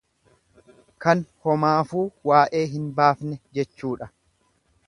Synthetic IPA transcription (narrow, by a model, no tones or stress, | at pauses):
kɐnhɔmaːfuːwaːʔe̞ːɦɪnbaːfnɛd͡ʒɛt͡ʃːuːᶑɐ